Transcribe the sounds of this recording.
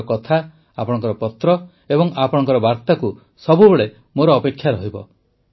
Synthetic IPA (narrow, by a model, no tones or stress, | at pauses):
kɔt̪ʰa | a̰pɔɽɔ̃ŋkɔɾɔpɔt̪ɾɔ | ebɔŋapɔɽ̃ɔŋkɔɾɔbaɾt̪aku | sɔbʱubeɭe | moɾɔːpekʰːjaɾɔɦibɔ̰